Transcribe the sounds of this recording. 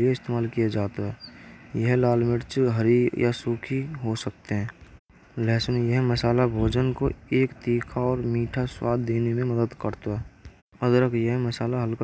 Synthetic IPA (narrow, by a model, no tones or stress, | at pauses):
lɪieɪst̪eːmaːlkijad͡ʒaːt̪aɦɛːjəɦlaːlmɪʈt͡ʃɦəɾija̰suːkʰiɦosək̚t̪eɦɛ̃ː | lɛːsənjeɦməsaːlabʱoːd͡ʒənkoeːkt̪iːkʰaɔːɾmiːʈʰaswaːd̪ʱːeːnemẽməd̪əd̪kəɾt̪aɦɛː | əd̪ɾəkjəɦməsaːlaɦəlk